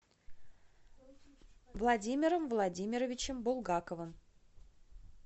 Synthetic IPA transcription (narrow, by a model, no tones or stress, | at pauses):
vlˠɐdʲimʲɪɾəmvlˠɐdʲimʲɪɾəvʲɪt͡ɕɪmbʊlˠɡakəvɨm